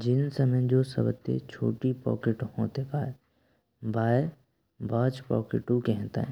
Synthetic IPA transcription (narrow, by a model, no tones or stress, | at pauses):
d͡ʒɪnsɐməd͡ʒoːsɐ̰bt̪ːḛt͡ʃʰo̰ːʈipɔ̰ːkeʈhõːt̪ekaːe | baːe | bʱaːt͡ʃpɔ̰ːkeʈukɛɦɛ̃t̪a̰ɦ